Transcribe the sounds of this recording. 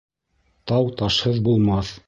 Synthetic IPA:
t̪ɑwt̪ɑʃhɤðbulˠmɑθ

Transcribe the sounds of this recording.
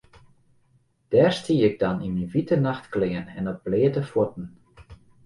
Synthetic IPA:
d̥ɛːrstiːɪɡ̚dɑniminʋitənaxtklɪənɛ̰nɔt̚b̥leːətəfwut̚n̩

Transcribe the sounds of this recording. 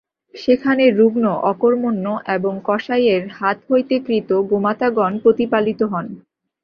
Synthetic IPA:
ʃekʰaneɾːuɡnoʔɔkoɾmonːoʔeboŋkɔʃajeɾhat̪ɦojt̪ekɾit̪oɡomat̪aɡɔnpɾot̪ipalit̪oɦɔn

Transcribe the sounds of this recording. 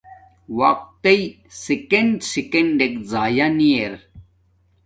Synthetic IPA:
wɐq̚t̪ej | sekeɳɖsikeɳɖekzaːjanijeɾ

